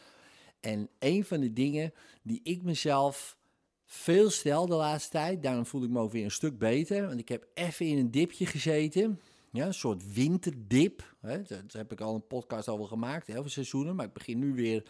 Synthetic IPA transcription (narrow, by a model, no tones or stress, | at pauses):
ʔɛneːnfɔndədɪŋə | diʔɪk̚məzɛlˠf | feːlˠstɛlˠdəlaːtstə̥tɛjt̚daːromfulˠɪk̚məowkʋɪəɾə̃nstøk̚beːtərʋɔntɪkhɛpɛfəɪnəndɪpʰjəχəzeːtə | jɛənsoətʋɪntərdɪpɛɔhɛpɪkɔlˠənpɔt̚kɑstowʋɛlˠxəmaːk̚theːlˠflˠsɛzunəmarɪɡ̚bəxɪnːyʋɪər